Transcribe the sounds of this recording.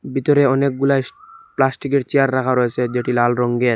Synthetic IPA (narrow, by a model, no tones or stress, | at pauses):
bit̪oɾeɔnek̚ɡulajplasʈikeɾt͡ɕeaɾːakʰaɾoet͡ɕʰed͡ʑeʈilalɾɔŋɡeɾ